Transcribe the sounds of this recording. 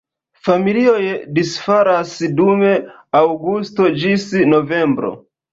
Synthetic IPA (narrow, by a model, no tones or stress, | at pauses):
familio̞jdisfaɾasdume̞ | awɡusto̞d͡ʒisno̞ve̞mbɾo̰